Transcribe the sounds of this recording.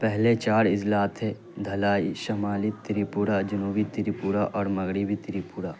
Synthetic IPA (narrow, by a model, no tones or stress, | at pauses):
pɛɦlet͡ʃaːɽɪd͡ʒlaːt̪ʰɦɛː | d̪ʱɐlaːiʃɐmaːlit̪ɪɾipuːɾad͡ʒɐnuːbit̪ɪɾipuːɾaʔɔːɾmɐɣɾibit̪ɪɾipuːɾaː